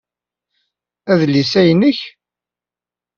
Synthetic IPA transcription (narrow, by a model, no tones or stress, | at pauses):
æðlisæjənəç